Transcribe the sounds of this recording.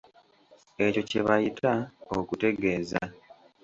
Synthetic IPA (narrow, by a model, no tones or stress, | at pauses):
e̞co̞ceβajitʰaokute̞ɡe̞ːza̰